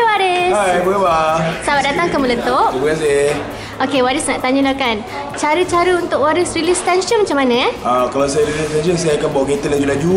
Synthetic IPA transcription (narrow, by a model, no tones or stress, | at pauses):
wadiajbəəbasabat̚dat̪aŋkəmulənt̪oʔubkanse | okewaɾisnaʔt̪aɲə̃lakan | t͡ʃaɾət͡ʃaɾəunt̪ʊkwaɾisrilist̪ɛnʃənmat͡ʃamːanə̃akalawsajaɾilist̪ɛnʃənsajaakanbawaʔɡet̪ədad͡ʒudad͡ʒu